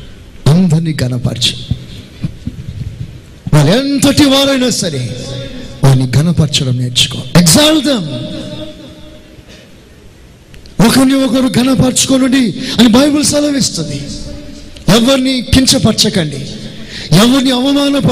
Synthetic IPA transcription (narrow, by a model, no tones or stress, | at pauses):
ɐnd̪ɐɾniɡɐnɐpɐ̰ːɾt͡ʃɐ̥ | ʋaːɭuent̪ɐʈiʋaːɾɐjnaːsɐɾe | ʋaːɾnːiɡʱɐnɐpɐɾt͡ʃɐɽɐmneːɾt͡ʃu̥ko̰ːeɡzaːld̪ɐm | ɔkɐɾniɔkɐɾuɡʱɐnɐpɐːɾt͡ʃu̥konuɳɖiɐnibɐjbulsɐlɐʋist̪und̪i | ɛʋːɐɾnikiɲt͡ʃɐpɐɾt͡ʃɐkɐɳɖi | ɛʋːɐɾniɐʋɐmaːnɐpɐ